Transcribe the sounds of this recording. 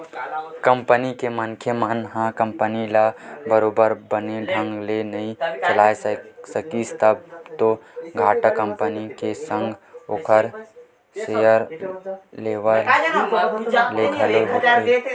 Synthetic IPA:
kəmpənikemənkʰjəmənɦãkə̃mpənilabəɾoːbəɾbəneɖʱə̃ŋɡlenɐɦĩt͡ʃəlaːessəkist̪əb̚t̪oɡʱaːʈəkə̃mpənikesə̃ŋɡokʰəɾ | sejəɾ | leːʋəɾ | lekʰəloɦo

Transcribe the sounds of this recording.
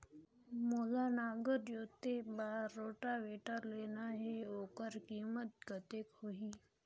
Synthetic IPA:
moːlaːnaːɡəɾjoːt̪ebaːɾɾoːʈaʋeːʈəɾleːnaɦeoːkəɾkiːmət̪̚ɡət̪ekhoɦiː

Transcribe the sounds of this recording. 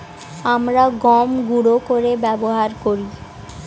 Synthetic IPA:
amɾaɡɔmɡuɽokoɾebɛboɦaɾkoɾi

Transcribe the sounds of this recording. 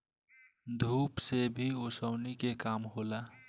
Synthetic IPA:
d̪ʱuːpsebʱiosəwnikekamɦola

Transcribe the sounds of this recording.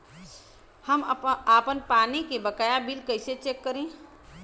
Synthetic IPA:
həmapənpaːnikebəkajabilkəɪset͡ʃekːəɾẽ

